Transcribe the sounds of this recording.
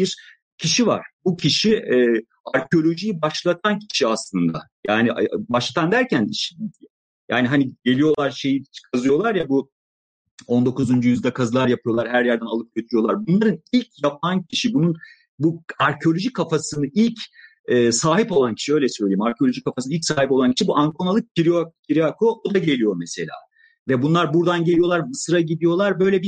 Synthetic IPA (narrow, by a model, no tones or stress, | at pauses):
biɾ | cʰiʃiva̰ɾ̥bucʰiʃiɛː | aɾcʰeo̞lʲo̞ʒijibaʃlˠat̪ʰancʰi̥ʃiaslˠɯnd̪a̰ | jaːnibaʃlˠat̪ʰand̪æɾcʰæniʃi | jaːniɦaniɟe̞lijo̞lˠaɾʃe̞jii̥t͡ʃkʰazɯjo̞lˠaɾjabu | o̞nd̪o̞kuzund͡ʒujyzd̪ɛkʰazɯlˠaɾjapʰɯjo̞lˠaɾɦæɾjæɾd̪ænalˠɯp̚ɟøt̪ʰijo̞lˠaɾbunlˠaɾɯnilʲcʰjap̚ʰancʰiʃibunun | buaɾcʰeo̞lʲo̞ʒikʰafasɯnɯʔilʲc | ɛːsaːɦipo̞lˠancʰiʃiø̞jlʲɛsø̞jlʲeimaɾcʰelʲo̞ʒikʰːafasɯnilcsaːhip̬o̞lˠancʰiʃibuʔaŋkʰonalˠɯp̚ciɾikcʰiɾiakʰoʔod̪aɟelʲijo̞mɛse̞lʲa̰ː | vɛbunlˠaɾbuɾd̪anɟe̞lʲijo̞lˠaɾmɯsɯɾaɟid̪ijo̞lˠaɾbø̞jlʲɛbi